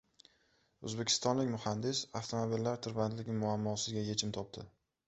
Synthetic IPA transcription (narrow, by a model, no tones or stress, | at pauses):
ɵzbe̞kʲʰɪ̥st̪ɒnlɪkʲmʊhand̪ɪsaft̪ʰomobilːaɾt̪ʰʊɾbant̪lɪɡʲɪmʊamːɒsɪzɡʲaje̞t͡ʃʰɪmt̪ʰɒp̚t̪ʰɪ